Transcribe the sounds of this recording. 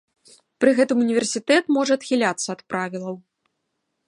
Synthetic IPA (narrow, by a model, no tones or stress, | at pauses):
pɾɨɣɛt̪ɨmunʲivʲɛrsʲit̪ɛt̪mɔʐɐɐt̪xʲilʲat̪sːɐɐt̪pɾavʲilˠɐw